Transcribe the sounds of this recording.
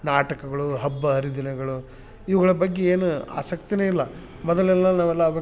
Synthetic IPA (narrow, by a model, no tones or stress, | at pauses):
naːʈɐkɐɡɐɭuɦɐbːɐɦɐɾid̪inɐɡɐɭu | iʋɐɣɐɭɐbɐɡːeeːnua̰ːsɐkt̪ineːilːɐ | mɔd̪ɐlɛlːɐnaːʋɛlːɐːbɐ